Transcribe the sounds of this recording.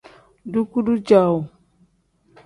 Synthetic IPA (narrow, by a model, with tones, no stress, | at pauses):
du˦ku˦du˦d͡ʒa˨w